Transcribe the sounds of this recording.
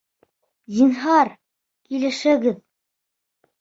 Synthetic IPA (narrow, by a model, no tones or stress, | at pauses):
d̪inɦɑɾ | kilɘ̆ʃɘ̆ɡɘð